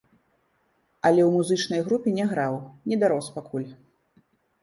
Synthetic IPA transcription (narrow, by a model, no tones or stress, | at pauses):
ɐlʲɛwmuzɨt͡ʂnɐjɣɾupʲinʲɛɣɾawnʲɛd̪aɾɔspakulʲ